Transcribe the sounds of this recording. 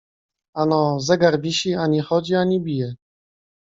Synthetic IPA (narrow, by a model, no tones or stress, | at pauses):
anɔzɛɡaɾbʲiɕiaɲixɔd͡ʑiaɲibʲijɛ